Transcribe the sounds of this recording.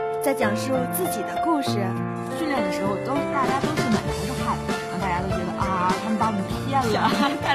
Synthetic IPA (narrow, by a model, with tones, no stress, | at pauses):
t͡sa˥˩ɪt͡ɕjɑ˨˩ŋʂo˥˧ʊt͡sɹ̩˥˩t͡ɕi˨˩d̪ə˦ku˥˧ʂɻ̩˥˩ | t͡ɕy˥˧ljɛ˥˩nd̪ə˩ʂɻ̩˧˥xo˧ʊt̪o˥t̪a˥˩t͡ɕja˥t̪o˥ʂɻ̩˥˩mə˨˩nʰi˧˥ʈ͡ʂə˥kʰa˥˩˥ | t̪a˥˧˩t͡ɕja˥o˥ʊt͡ɕɥɛ˧˥d̪ə˧ʔɐ˥˩kʰa˥˩n˥pɑ˥˩ni˨˩ʈ͡ʂʰu˥pjɛ˥˩nlə˩˥